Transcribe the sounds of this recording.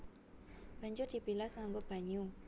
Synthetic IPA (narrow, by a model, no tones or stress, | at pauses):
b̥a̤ɲd͡ʒʊrd̥i̤pilasŋaŋɡob̥a̤ɲu